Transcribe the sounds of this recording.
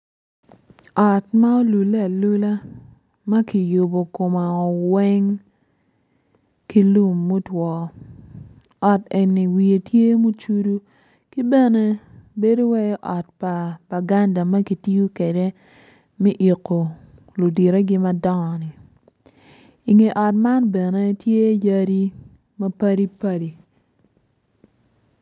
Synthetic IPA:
ɔ˨tma˦o˦lu˨le˦a˨lu˦la˦ | ma˦ki˨jo˨bo˨ko˨ma˨ɔ˨wɛ˦ŋ | ki˦lu˦mːo˦twɔ˨ | ɔ˨te˨nːi˨wi˨e˨tje˦mo˦t͡ʃu˦du˦ | ki˦bɛ˦ne˦be˦do˦wɛ˦jɔ˦ʔɔ˨t̚pa˨b̥a˨ɡa˦nda˨mɐ˦ki˨ti˦ju˦ke˨de˦ | mɛ˦ʔi˨kːo˨ | lu˨di˨ɾe˦ɡɪ˦mɐ˦dɔ˦ŋɔ˨nɪ˨ | i˨ŋe˨ʔɔ˨tma˦nbɛ˨ne˦tje˦ja˦ɾi˦ | mɐ˦pa˦ɾi˦pa˦ɾi˨

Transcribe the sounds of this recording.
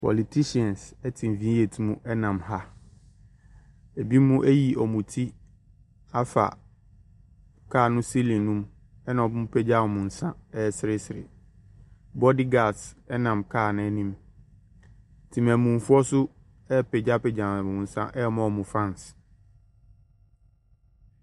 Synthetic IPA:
pʰɔ̰˨li˨tʰi˦si˨˦ɛ̃˨nsɛ˦tʰĩ˨m̩˨vĩ˦je˨tʰi˦mũ˦ʔɛ˦nã˨mha˦ | e˨bi˦mũ˦ʔæ˦ji˨ʔɔ˨mũ˨tʰi˦ | a˦fa̰˨ | kʰaː˦˨nʊ̃˦si˦lĩ˨nũ˦m | ɛ˦nã˨ɔ˨bʊ̃˦m˦pʰɛ˦d͡ʑa˦ɔ˨mʊ̃˨n̩˨sã˦ɛ˦˨sɪ˨ɾɪ˦sɪ˨ɾɪ̰˨ | bɔ˦di˦ɡa˨sɛ˦nã˨mkʰaː˦˨nã˦ɛ˦nĩ˦m | tʰĩ˨mæ̃˨mũ˨m˨fʊ˦ɔ˦sʊ˦ | ɛ˦pʰɛ˨d͡ʑa˦pɛ˨d͡ʑã˨m˨mʊ̃˨n̩˨sã̰˦ʔɛ˦mɔ̃˦ɔ˨mʊ̃˨fɾã˦ns

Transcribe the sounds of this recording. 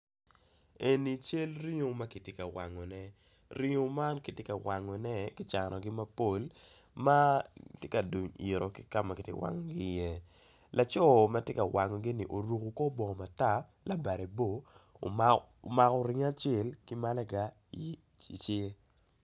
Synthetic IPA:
e˨ni˨t͡ʃe˦lɾi˦ŋo˨ma˦ki˨tje˦ka˨wa̰˨ŋɔ˨nɛ˦ | ɾi˦ŋo˦ma˦nki˨tjɪ˦ka˨wa˨ŋɔ˨nɛ˦kɪ˦t͡ʃa˨nʔɔ˨ɡɪ˦ma˦po˦˨l | ma˦tje˦ka˨du˨ɲḭ˨ɾo˨kɪ̥˦ka˦ma˨kɪ˨tjɛ̰˦wa̰˨ŋɔ˨ɡi˦jɛ˦ | lʔa˨t͡ʃɔ˦ma˦tje˦ka˨wʔa˨ŋɔ˨ɡi˦ni˨ʔo˨ɾu˨ko˨ko˦bɔ˨ŋɔ˨ma˨ta˦ | la˨ba˨ɾe˨bo˦˨ | ma˨kɔ˨ɾi˦ŋa˦t͡ʃe˨lki˦ma˦lɛ˦ɡa˨˦ | i˨ | i˨t͡ʃe˦

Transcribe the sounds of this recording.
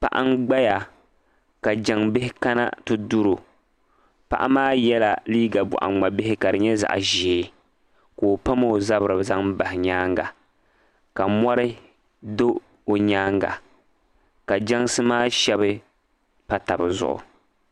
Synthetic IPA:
pa̰˨ʔa̰˦n˦ɡ͡ba˦ja˨ | ka˨d͡ʒa˨ŋbɪ˦hɪ˦ka˦na̰˦tɨ˦du˦ɾo˨ | pa̰˨ʔa̰˦maː˦jɛ˦la˨liː˦ɡa˨bʊ̰˨ʔa̰˨ŋ͡ma˨bɪ˦hɪ˦ka˨dɨ˨ɲɛ˦za̰˨ʔʒeː˨˦ | koː˨pa˦mo˦˨za˦bɨ˨ɾɨ˨bza˦ŋ˦ba˨hɪ˨ɲaː˦ŋɡa̰˨ | ka˨mɔ˦ɾɨ˦ | do˦ | o˨ɲaː˦ŋɡa̰˨ | ka˨d͡ʒa˦ŋsɨ˦maː˦ʃɛ˦bɨ˦ | pa˦ta˨bɨ˨zʊ̰˨ʔʊ̰˨

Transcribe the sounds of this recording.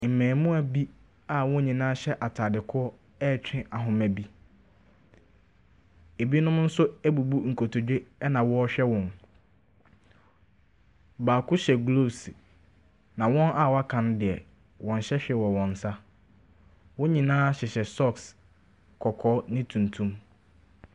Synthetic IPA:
m̩˨mɛ̃ː˨mũ˦æ˨bi˦ | a˨wʊ̃˦ɲĩ˨nãː˦ɕɛ˦ʔa˨tʰaː˨dɪ˨kʰʊ˦ɔ˦ | ɛː˦˨t͡ɕᶣʰɪ̃˦ʔa˨ɦʊ̃˨mæ̃˨bi˦ | e˨bi˦nʊ̃˦m˦n̩˦sʊ˦æ˦bu˨bu˦ŋ̩˨kʰo˨tʰo˨d͡ʑᶣe˦nã˨wɔ˦ɔ˦ɕᶣɛ˦wɔ̃˨n | baː˨kʰʊ˦ɕɛ˨ɡlo˦˨s | nã˨wɔ̃˦nʔa˦˨wɔ˨a˦kʰã˨ndɪ˨ɛ˨ | wɔ̃˨n˨ɕɛ˦ɕᶣɛ˨wɔ˨wɔ̃˨n̩˨sa˦ | wʊ̃˦ɲĩ˨nãː˦ɕɪ˨ɕɛ˨sɔ˦ks | kʰɔ˨kʰɔː˦nɪ̃˦tʰũ˨ntʰũ˦m

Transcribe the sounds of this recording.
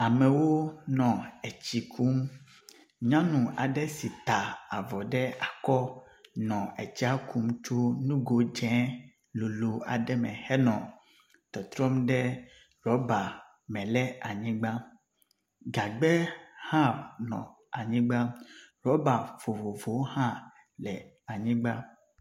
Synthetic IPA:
a˨mɛ̃˨wo˦nɔ̃˨ɛ˨t͡ɕi˨kʰu˦m | ɲã˦nũ˨a̰˨ɖɛ˦si˨t̪a˨a˨vɔ˨ɖɛ˦a˨kɔ˦ | nɔ̃˨ɛ˨t͡ɕi˦a˦ku˦m˦t͡ʃu˦nũ˦ɡo˨d͡ʒɛ̃˨˦ | lo˨lo˨a̰˨ɖɛ˦mɛ̃˨hɛ˦nɔ̃˨ | t̪ɔ˨t̪ɾɔ˦mɖɛ˦ | ɾɔ˨˦ba˨ | mɛ̃˨lɛ˦a˨ɲĩ˦ɡ͡ba˦ | ɡa˨ɡ͡bɛ˦hã˦nɔ̰̃˨ | a˨ɲĩ˦ɡ͡ba˦ɾɔ˨˦ba˨v̥o˨vo˨vo˨˦whã˦ | lɛ˨ | a˨ɲĩ˦ɡ͡ba˦

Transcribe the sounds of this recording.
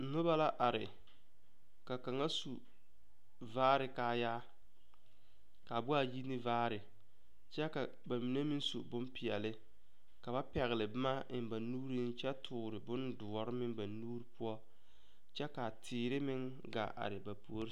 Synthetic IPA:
nʊ˦ba˦la˦ʔa˨ɾɪ̰˨ | ka˨ka˨ŋa˦su˨ | vaː˦ɾɪ˨kaː˨˦jaː˦ | ka˨bʊ˦a˨ji˦nɪ˦vaː˦ɾɪ˨ | t͡ʃɛ˦ka˨ | ba˨mi˨ne˦mi˦n˦sṵ˨bʊ˦mpɪ˨ɛ̰˨lɪ˦ | ka˨ba˦pɛ˨ɣɪ˨lɪ˨bɪ˦ma˦ɪ˨m˦ba˨nuː˦ɾi˦n˦t͡ʃɛ˦tʰʊː˨ɾɪ˨bʊ˦ndʊ˨ɔ˨ɾɪ˦mɪ˦ŋba˨nuː˦ɾi˦pʊ˦ɔ˦ | t͡ʃɛ˦ka˨tʰɪː˨ɾɪ˦mɪ˦ŋ | ɡa̰˨ʔa̰˨ɾɪ˨ba˨pu˨o˦ɾ

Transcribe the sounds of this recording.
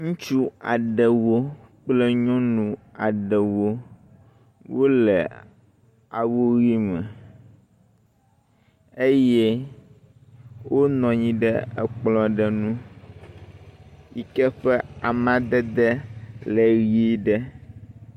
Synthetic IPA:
ŋũ˦t͡ʃu˦a˨ɖɛ˨wo˦k͡plɛ˦ɲɔ̃˦nũ˨a˨ɖɛ˨wo˦ | wʔo˦lɛ˨ | a˨wo˦ɣi˦mɛ̃˨ | e˦je˦ | wo˦nɔ̃˨ɲĩ˦ɖɛ˦ɛ˨k͡plɔ̃˨ɖɛ˨nũ˦ | i˨kɛ˦ɸɛ˦a˨mã˨d̪ɛ˦d̪ɛ˦lɛ˨ɣi˦i˦ɖɛ˦

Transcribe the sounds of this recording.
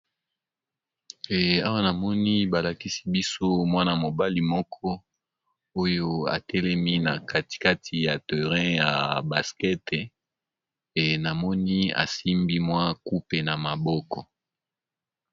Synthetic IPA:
a˦wa˦na˨mɔ˦ni˦ba˨la˨ki˦si̥˦bi˦so˦mwa˦na˨mo˨ba˦li˨mɔ˦kʰɔ˦ | o˦jo˦a̰˨tʰɛ˦lɛ˦mi˦na˨ka˦ti̥˨ka˦tʰi˨ja˨te˨ʁɛ̃˦ja˨ba˨skɛ˦te˨ | e˨na˨mɔ˦ni˦a̰˨si˦mbi˦mwa˦ku˦pe˨na˨ma˨bɔ˦kɔ˨

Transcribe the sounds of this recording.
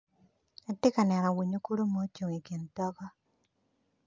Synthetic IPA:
a˨tɪ˦ka˨nɛ˨ɾa˨wi˨ɲo˦ku˦ɾo˦mo˦t͡ʃo˨ŋi˨ke˨ntɔ˦ɡɔ˦

